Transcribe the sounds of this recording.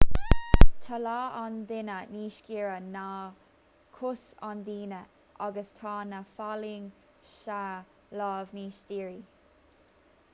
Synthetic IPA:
t̪ʰalɑːand̪ɪnəniːʃkiːɹəna | kʰʊsand̪iːnə | ʔaɡəst̪ʰɑːnafaliŋ | ʃa | lɑːvniːʃdiːɹi

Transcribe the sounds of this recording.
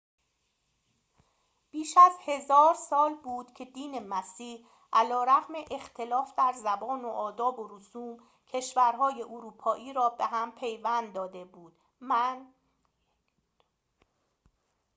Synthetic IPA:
b̥iːʃæzhe̞zɒːɾsɒːlbuːd̪̥cʰe̞d̪iːne̞mæsiːh | ʔælɒːɾæɣmeʔext̪ʰe̞lɒːfd̪æɾzæbɒːnoʔɒːd̪ɒːboɾusuːm | cʰe̞ʃvæɾɦɒːje̞ʔoɾuːpʰɒːʔiːɾɒːbe̞ɦæmpʰe̞jvænd̪d̪ːɒːd̪e̞buːd̪̥

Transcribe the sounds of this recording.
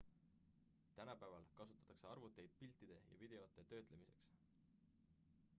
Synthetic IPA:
t̪ænɑpævɑlkɑsu̥t̪ːˑɑt̪ːˑɑkse̞ɑrvut̪ːˑe̞jd̪̥̚pilt̪ːˑid̪̥e̞jɑ̰vid̪̥e̞o̞t̪ːˑe̞t̪ø̞ːt̪ˑlemise̞̰ks

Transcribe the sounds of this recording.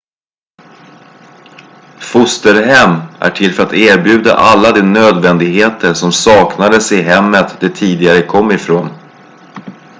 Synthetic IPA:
fʊst̪əɾɦɛmːʔæ̰ʈʰɪlːfœɾat̪eːɾbjʉ̟ːd̪a̰ʔalːad̪ɛnøːd̪vɛnd̪ɪɡɦeːt̪ʰəʂɔmsɑːknad̪əsɪɦɛmːət̪d̪ɛt̪ʰiːd̪ɪɡaɾəkʰɔmːɪfɾoːn

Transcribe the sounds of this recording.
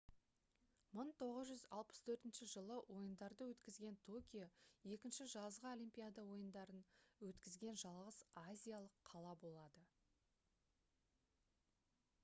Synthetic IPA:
məɴt̪ʰo̞ʁəzʒʏzɑlˠpə̥st̪ʰɵɾt̪ɪnʃɪʒəlˠəwʔo̞jənd̪ɑɾd̪əwɵt̪kʲɪzɡʲe̞nt̪ʰo̞kʲijoe̞kʲɪnʃɪʒɑzʁəolʲijmpʲijad̪ɑwo̞jənd̪ɑɾənwɵt̪kʲɪzɡʲe̞nʒɑlˠʁəzazʲijalˠəqʰːɑlˠɑbo̞lˠɑd̪ə

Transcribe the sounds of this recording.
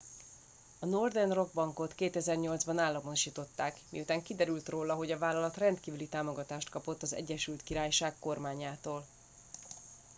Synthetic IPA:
ɒno̞rd̪ɛnro̞ɡ̚bɒŋko̞t̪keːt̪ɛzɛrɲo̞ld̪zbɒnaːlːɒmooʃiːt̪o̞t̪ːaːkmḭut̪aːŋkid̪ɛɾylt̪roːlɒɦo̞ɟɒvaːlːɒlɒt̪rɛnt̪kiːvylit̪aːmo̞ɡɒt̪aːʃt̪kɒpo̞t̪ːɒzɛ̰ɟːɛʃylt̪kiɾaːjʃaːkːo̞rmaːɲaːt̪oːl

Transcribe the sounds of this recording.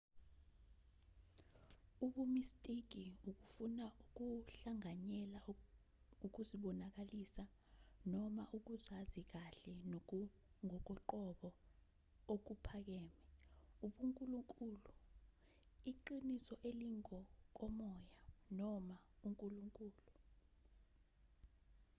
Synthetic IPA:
uɓumistʼik̬iuk̬ufunauk̬uɬaŋaɲɛla | uk̬uziɓɔnak̬alisa | nɔmaʔuk̬uzazik̬aɬɛn | ŋɔk̬ɔǃɔɓɔ | ok̬upʰak̬ɛːmɛuɓuŋkʼuluŋkʼuːlu | iǃinisɔʔeliŋkɔk̬ɔmɔjanɔmauŋkʼuluŋkʼuːlu

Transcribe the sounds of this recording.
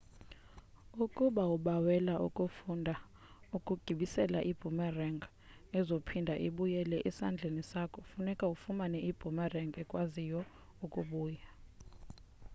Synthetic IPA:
ukʼuɓauɓawɛlaṵkʼufundʱa | ukʼuɡ̥ʱiɓisɛlaʔib̥ʱumɛrɛŋɡ | ɛzopʰindʱaʔiɓujɛlɛʔisa̰nd͡ɮʱenisakʰɔ̥funɛkʼaufumanɛib̥ʱumɛrɛŋɡɛkʼwazijɔ | ukʼuɓuːja

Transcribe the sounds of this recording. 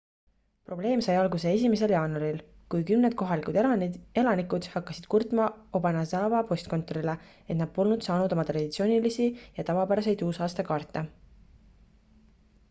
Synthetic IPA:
pro̞ble̞ːmsɑjɑlɡuse̞e̞s̬ʲimes̬e̞ljɑːnuɑɾil | kujkymned̪̥̚ko̞ɦɑlikud̪e̞lɑnikud̪̥hɑkːɑsid̪̥kurt̪mɑo̞bɑnɑsɑːvɑpo̞st̪̚ko̞nt̪ːˑo̞ɾile | e̞t̪nɑd̪̥̚po̞lnud̪̥sɑːnud̪o̞mɑt̪rɑd̥̪it̪sio̞ːnilisijɑt̪ɑvɑpæɾɑse̞jd̪uːsɑːst̪ɑkɑːrt̪ːˑɑ

